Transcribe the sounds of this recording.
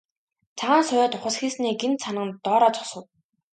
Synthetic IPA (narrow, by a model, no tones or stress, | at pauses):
t͡sʰaʁaːnsʊjæːt̪ʊχə̆sxiːsniːɡent̪sanə̆nt̪ːɔːɾɔːt͡sɔ̥sə̆w